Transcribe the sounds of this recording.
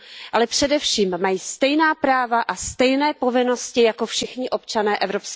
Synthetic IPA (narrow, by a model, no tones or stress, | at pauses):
ʔalɛpr̝̥ɛdɛfʃiːmːajiːst̪ɛjnaːpɾaːvaʔast̪ɛjnɛːpo̞vɪno̞scɪjako̞fʃɪxɲɪʔo̞pt͡ʃanɛːʔɛvɾo̞ps